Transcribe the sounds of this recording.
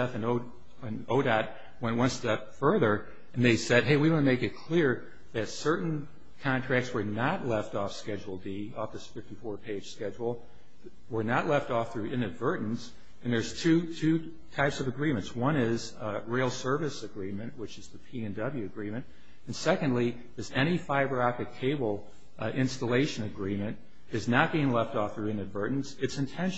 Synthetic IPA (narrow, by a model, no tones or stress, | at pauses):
ɛθɨ̃no | ɨ̃noʊɾæt̚ | wɛ̃nʔwʌ̃nstɛpfɜ˞ðə˞ | ɨ̃nðeɪsɛd̚ɦeɪwiwõnmeɪkɨt̚kʰl̥ɪɹ | ðɨtsɜ˞ʔn̩ | kʰɑ̃ntʰɹ̥æk̚tswə˞nətˡlɛftɔfskɛd͡ʒl̩ˠdiɔfðɨsfɪftifɔɹpʰeɪd̥ʒ̥skɛd͡ʒl̩ˠ | wə˞nətˡlɛftɔfθɹʉɪ̃nɨdvɜ˞ʔn̩s | ɨ̃nðə˞z̥tʰʉtʰʉ | tʰaɪpsʌvɨɡɹĩmɨ̃ntswʌ̃ñɪz | ɹeɪlˠsɜ˞vɨsɨɡɹĩmɨ̃nʔwət͡ʃɨzðɨpʰiɨ̃ndʌblˠjʉɨɡɹĩmɨ̃nt | ɨ̃nsɛkɨ̃ndˡli | ðɨzɛɾ̃ifaɪbə˞ɑk̚tɨkʰeɪbl̩ˠ | ɪ̃nstəleɪʃɨ̃nɨɡɹĩmɨ̃nt | ɨznət̚b̥iɪ̃ŋlɛftɔfθɹʉɨ̃nɨdvɜ˞ʔn̩sɨtsɨ̃ntʰɛ̃nʃ